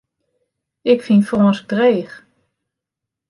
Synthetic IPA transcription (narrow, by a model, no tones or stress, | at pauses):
ɪkfinfoːnsɡ̚dreːx